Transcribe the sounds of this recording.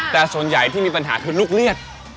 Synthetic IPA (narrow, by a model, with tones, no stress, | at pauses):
t̪ɛː˨˩su˨˩˦ənja˨˩jt̪ʰiː˥˩miː˧pa˧nɦa̰ː˩˦t̪ʰɯː˧˦nluː˥˩k̚li˥˩ət̪̚